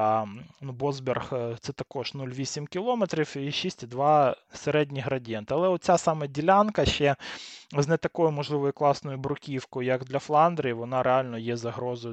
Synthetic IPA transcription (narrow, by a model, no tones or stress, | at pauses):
nubɔzbʲerxt̪sɛt̪ɐkɔʒ̥nulʲʋʲisʲimkʲɪlˠɔmet̪ɾʲiwiʃisʲtʲid̪ʋɑseɾɛdʲnʲiɦɾɐdʲjɛnt̪ɪɐlˠɛɔt̪̚t͡sʲasɑmɛdʲilʲankɐʃɛznɛt̪ɐkɔjʊmɔʒlˠɪʋɔjʊklˠɑsnɔjʊbɾʊkʲiwkɔjʊjɐɡd̪lʲɐflˠɑnd̪ɾeiʋɔnɑɾeɑlʲnɔjɛzɐɦɾɔzɔj